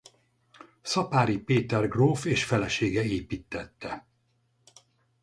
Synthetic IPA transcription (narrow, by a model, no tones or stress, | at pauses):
sɒpaːɾipeːt̪ɛrɡroːfeːʃfɛlɛʃeːɡɛeːpit̪ːɛt̪ːɛ